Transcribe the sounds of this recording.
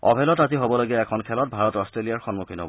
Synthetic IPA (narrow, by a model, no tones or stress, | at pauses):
ɔ̰bʱɛlɔtaziɦobɔloɡiɛɛkʰɔnkʰɛlɔt̚bʱaɹɔtɔstɹeliaɹxɔnmukʰinɔ̰